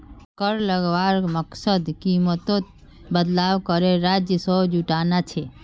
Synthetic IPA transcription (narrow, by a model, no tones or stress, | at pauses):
kəɾləɡʋaɾməksəd̪kimət̪õt̪ | bəd̪lawkəɾeɾad͡ʒjəsəd͡ʒuʈanat͡ʃʰe